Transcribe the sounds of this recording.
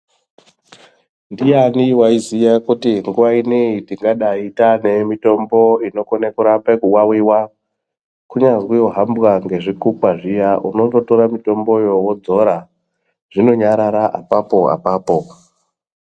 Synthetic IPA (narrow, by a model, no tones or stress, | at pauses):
ndijaniwaizijakutiŋɡuʋaineitiŋɡaɗaitane̞mito̞mbo̞ino̞konekuɾapekuwawiwa | kuɲazwioɦambɣaŋɡe̞ʐikukwaʐijaʔuno̞nto̞toɾamito̞mbo̞jo̞wod͡zo̞ɾa | ʐ̥ino̞ɲaɾaɾaʔapapo̞a̰paːpo̞